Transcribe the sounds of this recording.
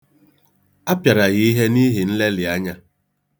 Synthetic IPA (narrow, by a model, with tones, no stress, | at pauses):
a˦pja˨ɾa˨ɣi˦i˦ɦe˦ni˦ɦi˨n̩˦le˦lɪ˨a˦ɲa˦